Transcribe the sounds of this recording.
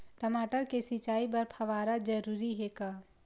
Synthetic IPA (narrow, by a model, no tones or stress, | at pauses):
ʈəmaːʈəɾkesit͡ʃaːibɐɾpʰɐʋaːɾad͡ʒəɾuːɾiɦeːkaː